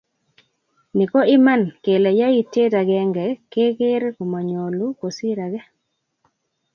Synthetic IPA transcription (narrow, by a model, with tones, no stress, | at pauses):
nɪ˨kɔ˦ɪ˦ma˦˨nke˨lɛ˨ja˦i˦˨te˦ta˨ɡɛ˦ŋɡɛ˨ke˦ke˦ɾko˨ma˨ɲo˨lu˦ko˨si˦ɾa˨ɡɛ˦